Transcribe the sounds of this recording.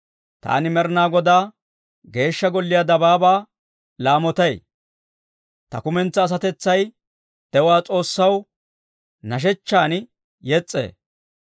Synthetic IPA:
t̪a̰ːnɪmɛɾnaːɡɔd̪aː | ɡe̞ːʃːɐɡɔlːɪjad̪ɐbaːbaː | laːmɔt̪ɐj | t̪ɐ̰kʊmɛnt͡sːɐːs̬ɐt̪ɛt͡sːɐj | d̪̥ɛwaːt͡sʼo̞ːsːɐw | nɐʃ̬ɛt͡ʃːaːn | jɛt͡sʼːḛː

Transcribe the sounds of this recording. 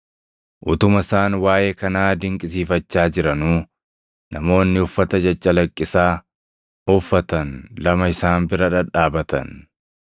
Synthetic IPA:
ʔʊt̪ʊmɐɪsaːnwaːjeːkɐnaːd̪ɪŋkʼɪsiːfɐt͡ʃːaːd͡ʒɪɾɐnuː | nɐmo̞ːnːɪʊfːɐt̪ɐd͡ʒɐt͡ʃʼːɐlɐkʼːɪsaː | ʊfːɐt̪ɐnlɐmɐɪsaːnbɪɾɐᶑɐᶑaːbɐt̪ɐ̰n

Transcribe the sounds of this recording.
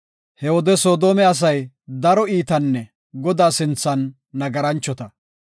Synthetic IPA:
hɛwɔd̪ɛso̞ːd̪o̞ːmɛɐs̬ɐj | d̪ɐɾɔiːt̪ɐnːɛ | ɡɔd̪aːsɪnt͡sːɐnː | ɐɡɐɾɐnt͡ʃːɔt̪ɐ

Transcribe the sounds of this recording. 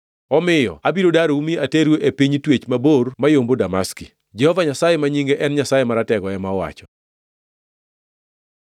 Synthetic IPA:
ɔmɪjɔ̰abiɾodaɾoumiateɾjoʔepiɲtwet͡ʃmabormajombodamaski | d͡ʒɛhɔvaɲasajemaɲiŋɡeʔɛnɲasajemaɾatɛɡɔɛmawa̰t͡ʃɔ̥

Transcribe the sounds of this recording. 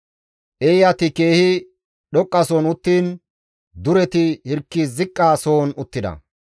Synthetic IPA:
ʔɛɪjɐt̪ɪke̞ːhɪ | ɗɔkʼːɐsoːnʊt̪ːiːn | d̪ʊɾɛt̪ɪhɪɾkːizɪkʼːaːso̞ːnʊt̪ːɪd̪ɐ̰

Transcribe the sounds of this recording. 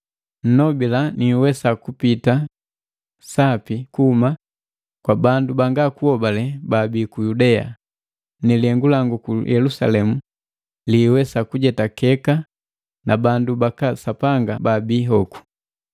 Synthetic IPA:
n̩nɔbilaniwɛsakupita | sapikuhuma | kwabandubaŋɡakuhɔbalɛbabikujudɛa̰ | nɛlɛŋɡulaŋɡukujʔɛlusa̰lɛmu | liwɛsakuɟɛtakɛka | nʔabandubakasapaŋɡababiːɦɔku̥

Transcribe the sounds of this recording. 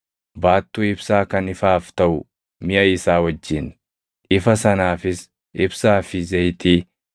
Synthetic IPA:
baːt̪ːuːɪbsaːkɐnɪfaːft̪ɐʔʊ | mɪʔɐɪsaːwɐd͡ʒːɪn | ʔɪfɐsɐnaːfɪs | ʔɪbsaːfɪzɛjt̪iː

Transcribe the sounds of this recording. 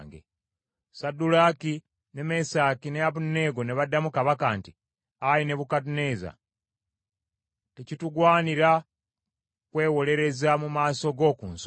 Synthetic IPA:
ŋɡḛ | sadulaki | neme̞saːkineaβunːe̞ːɡo̞neβadːamukaβakaːnti | ajine̞βukadune̞za̰ | tecituɡwaːniɾa | kwe̞ːwo̞le̞ɾe̞zamumaːso̞ɡo̞ːkṵːns

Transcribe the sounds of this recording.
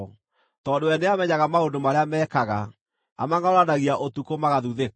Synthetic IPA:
tɔːndoɛneamɛɲaɣamaondomaɾeamɛːkaɣa | a̰maŋaoɾanaɣiaʔotukomaɣaðuðek

